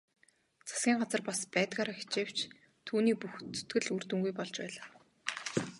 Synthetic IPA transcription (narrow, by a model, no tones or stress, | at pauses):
t͡sʰḁsɡʲiːŋɢat͡sə̆rpaspæːt̪ɡaːɾaːxi̥t͡ɕeːw̥t͡ɕ | t̪ʰuːniːpuxt̪ɵ̥t̪ɡɘ̆ɮur̥t̪ɵ̆ŋɡujpɔɮt͡ɕpæ̰ːɮaː